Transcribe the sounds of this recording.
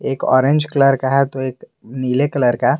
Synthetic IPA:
eːkɔ̰ːɾẽɲd͡ʒkələɾkaɦɛt̪oeːk | niːlekələɾkaɦɛ

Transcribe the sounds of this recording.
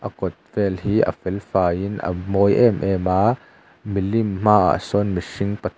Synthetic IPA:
ʔɐkɔt̪̚vɛlhiːʔɐ̰fɛlfaːinʔə̰mɔjʔɛmʔɛmaː | milimm̥aːa̰ʔsɔnmiʂiŋpɐt̪ʰ

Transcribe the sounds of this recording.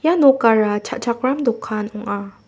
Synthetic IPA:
janɔkaɹat͡ʃʰaʔt͡ʃʰak̚ɾamd̪ɔkʰːanɔŋʔa

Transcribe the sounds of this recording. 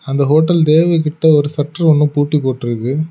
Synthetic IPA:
ɐnd̪ɐɦoːʈːɐlt̪eːʋɐɪkɪʈːɐɔɾɯsɐʈːɐɾɔɳːɯ̃puːʈːipoːʈːɪɾɯkːɯ

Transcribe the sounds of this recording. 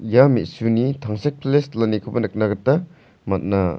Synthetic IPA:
jamitsunitʰaŋsek̚pʰleslanikʰubɐnɯk̚naɡɐta | mɐt̚na

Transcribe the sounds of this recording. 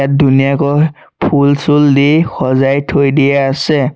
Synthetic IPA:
at̚dunijakɔ | pʰulsuldixɔzajtʰojdiɛasɛ

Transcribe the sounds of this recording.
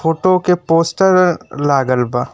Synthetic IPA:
foːʈokepoːsʈəɾlaːɡəlbaː

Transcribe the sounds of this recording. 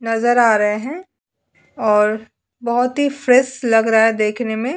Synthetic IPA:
nɐzəɾaːɾɐɦeɦɛ̃ | ɔːɾ | bɐɦʊt̪ɦifɾɛslɐɡɾaaɦɛd̪eːkʰnemẽ

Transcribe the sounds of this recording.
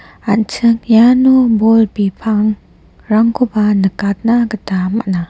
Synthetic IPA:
ant͡ʃʰɯŋjanubolpipʰaŋ | ɾaŋkʰobanəkat̚naɡətama̰ʔna

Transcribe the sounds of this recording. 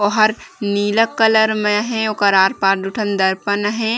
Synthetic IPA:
oɦəɾniːləkːələɾmẽɦɛ̃okəɾaɾpaːɾd̪uʈʰənd̪əɾpənɦẽ

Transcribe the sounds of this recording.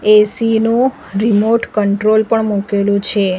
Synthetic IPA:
esinũ | ɾimoʈkəɳʈɾolpəɳmukelũt͡ʃʰe

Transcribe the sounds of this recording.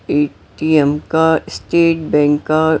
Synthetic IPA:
eː | ʈiɛmkasʈeːʈ̚bɛ̃ːŋkka

